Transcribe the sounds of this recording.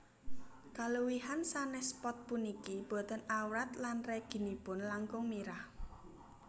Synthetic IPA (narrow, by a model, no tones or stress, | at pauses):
kaluwiɦansanɛhspɔt̪̚punikib̥ɔ̤t̪ənawɾat̪lanreɡ̥i̤nib̥ʊnlaŋkʊŋmiɾah